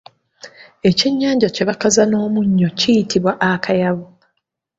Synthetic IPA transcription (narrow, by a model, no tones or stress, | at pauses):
e̞ciɲːaːɲɟaceβakazano̞ːmuɲːo̞cijitiβwaʔakʰajaβu